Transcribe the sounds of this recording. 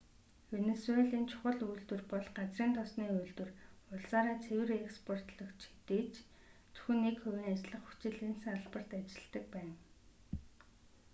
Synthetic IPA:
xeneseɮiːnt͡ɕʰʊ̥χə̆ɮujɮt̪wɘ̆rpɔɮɢat͡sriːnt̪ʰɔsniːujɮt̪wɘ̆rʊɮsaːɾaːt͡sʰewɘ̆rekspʰɔr̥t̪ɮɞ̆kt͡ɕʰi̥t̪eːt͡ɕ | t͡su̥xɘ̆nːekxɵwʲiːŋat͡ɕɮə̆χu̥t͡ɕɪ̆ɮiːnsɘ̆ŋaɮpə̆r̥t̪at͡ɕɪ̥̆ɮt̪ə̆k̚pæːn

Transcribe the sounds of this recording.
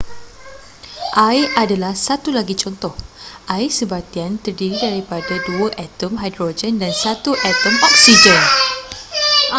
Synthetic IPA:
ʔajʔadalahsat̪ulaɡit͡ʃɔnt̪ɔhʔajsəbat̪iant̪ərdiɾidaɾipadaduaʔɛt̪əmɦajdɾod͡ʒəndansat̪uʔɛt̪əmɔk̚sid͡ʒən

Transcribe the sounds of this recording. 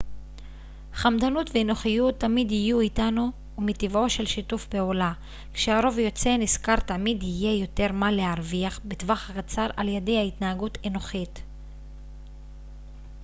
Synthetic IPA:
χamdanutveːno̞χijutːamidhijuitanuː | mitivo̞ʃe̞lʃitufpe̞ula | kʃeaʁo̞vjo̞t͡se̞niskaʁtamidije̞jo̞te̞ʁmalehaʁviaχbetvaχhakat͡saʁʔaljede̞jhaitnaaɡuteno̞χit

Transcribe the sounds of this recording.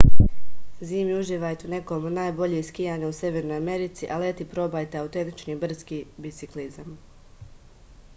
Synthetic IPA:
ziːmiuʒiːʋaːjt̪eune̞komunaːjbo̞ʎeskijaːɲausje̞ʋe̞ɾno̞jame̞ɾit̪siʔalet̪ipɾo̞baːjt̪eawt̪e̞nt̪i̥t͡ʃniːbr̩skiːbit̪siklizam

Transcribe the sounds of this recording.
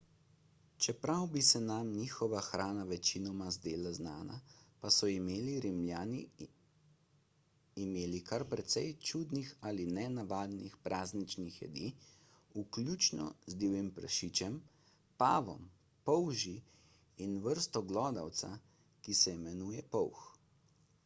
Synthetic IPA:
t͡ʃɛpɾawbisɛnamniːxɔʋaxɾʔaːnaʋɛt͡ʃinɔmazd̪eːlaznaːna̰pasɔimeːliɾimljaːni | meːlikaɾpɾɛt̪sɛjt͡ʃud̪nixalinɛnaʋaːd̪nixpɾʔaːznit͡ʃnixjɛ̰d̪i | ukljuːt͡ʃnɔ̰zd̪iwimpɾə̰ʃiːt͡ʃɛm | paːʋɔ̰m | pɔwʒiː | nʋəɾst̪ɔɡlɔːd̪awt̪sa̰ | kisɛimɛnuːjɛpɔwx

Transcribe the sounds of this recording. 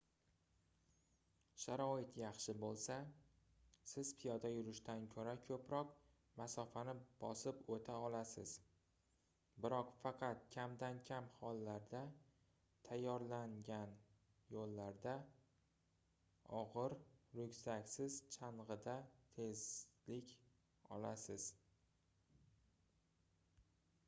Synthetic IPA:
ʃaɾɒɪt̪ʰjɑχʃɪbolˠsa | sɪzpʰijɒd̪ajʊɾɪʃt̪ʰankʲʰɵɾakʲʰɵpɾɒq | masɒfanɪb̥ɒsɪpot̪ʰaɒlasɪ̰z̥ | bɪɾɒqfɑqʰɑt̪̚kʲʰamd̪ankʲʰamhɒlˠːaɾd̪a | t̪ʰajːɒɾlaŋɡʲan | jolːaɾd̪a | ɒʁɨɾɾʊkʲsakʲsɪzt͡ʃʰaɴʁɨd̪at̪ʰe̞zlɪkʲ | ɒ̰lasɪz̥

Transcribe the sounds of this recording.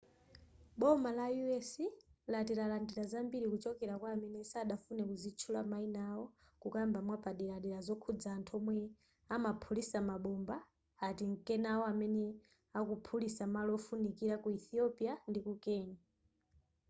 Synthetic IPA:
ɓɔmalajuɛsilatiɾalandiɾazambiɾikut͡ʃɔkɛɾakwaːmɛnɛsaɗafunɛkuzit͡ʃʰulamainawɔ | kukambamwapaɗiɾaɗiɾazɔkʰud͡zaːntʰɔmwɛ | amapʰulisamaɓɔmbaː | tiŋkɛnawɔamɛnɛ | akupʰulisamalɔfunikiɾakuiθiɔpiandikukɛːɲa

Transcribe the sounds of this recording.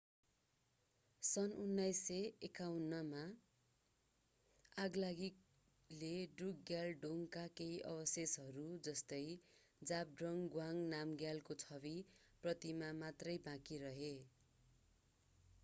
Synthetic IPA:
sʌnunːajseekawnːʌma | aɡlaɡik | leɖrukɡjalɖoŋkakeiʔʌ̰bʌsesɦʌɾud͡zʌst̪ʌj | d͡zap̚ɖrʌŋɡwaŋnamɡjalkot͡sʰʌβi | prʌt̪imamat̪rʌjbãkiɾʌɦe

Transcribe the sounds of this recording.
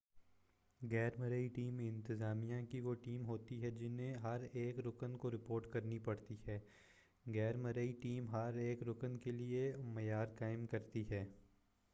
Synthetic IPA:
ɡɛːɾməɾəiʈiːmɪ̃nt̪ɪzaːmijãkiʋoʈiːmɦoːt̪iɦɛd͡ʒɪnɦẽɦɐɾeːkɾʊkənkoɾɪpoːɾʈkɐɾnipɐɽt̪iɦɛː | ɡɛːɾməɾəiʈiːmɦɐɾeːkɾʊkənkeliemɐjaːɾkaːɪmkɐɾt̪iɦɛː

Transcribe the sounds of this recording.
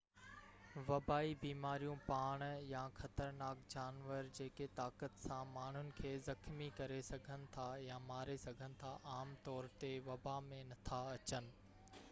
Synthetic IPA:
ʋɐbaːibiːmaːɾijũpaːɽ̃jãxɐt̪əɾnaːkd͡ʑaːnʋəɾd͡ʑeːket̪aːkət̪sãmaːɳ̤ʊnɪ̆kʰeːzɐxmikɐɾesɐɡʱənɪ̆t̪ʰajamaːɾesɐɡʱənɪ̆t̪ʰaʔaːmt̪ɔːɾt̪eʋɐbamẽnɐt̪ʰaɐt͡ɕənɪ̆

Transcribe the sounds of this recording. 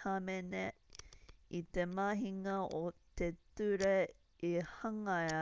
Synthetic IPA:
ɐmene | it̪emɐɦiŋɐʔot̪et̪ʉɾe | ihɐŋɐ

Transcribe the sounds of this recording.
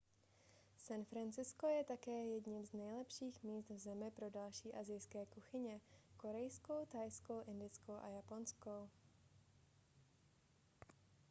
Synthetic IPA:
sanfɾant͡sɪsko̞jɛt̪akɛːjɛdɲɪmznɛjlɛpʃiːxmiːst̪vzɛmɪpɾo̞dalʃiːʔazɪjskɛːkuxɪɲɛko̞ɾɛjsko̞wt̪ajskowʔɪndɪt͡skowʔa̰japo̞nsko̞w

